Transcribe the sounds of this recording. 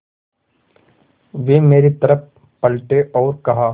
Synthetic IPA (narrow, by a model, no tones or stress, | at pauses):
ʋeːmeːɾit̪ɐɾəp̚ | pɐlʈeʔɔːɾkɐɦaː